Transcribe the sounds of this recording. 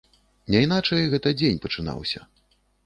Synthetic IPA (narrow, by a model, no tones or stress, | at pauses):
nʲɛinat͡ʂɐjɣɛt̪ɐd͡zʲenʲpɐt͡ʂɨna̰wsʲɐ̰